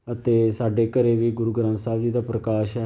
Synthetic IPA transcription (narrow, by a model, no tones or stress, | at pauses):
ət̪eːsaːɖeːkəɾeːʋiːɡʊɾuːɡɾãːnsaːbd͡ʒiːd̪aːpɾəkaːʃɦɛː